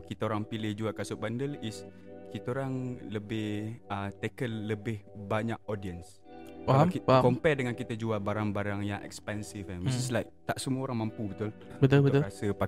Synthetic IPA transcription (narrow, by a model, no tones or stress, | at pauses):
kit̪aoɾaŋpilɪhd͡ʒuakasʊʔ̚bandəlis | kit̪aoɾaŋləbɪhət̪ekənːəbɪhbaɲak̚ɔdiəns | akiakɔmpɛdəŋãnkit̪ad͡ʒualbaɾaŋbaɾaŋjaŋʔɛ̰kspɛnsifɛnmisislajk̚t̪aʔsəmuaoɾaŋmãmpubət̪ʊl | bət̪ulbət̪ʊasəpa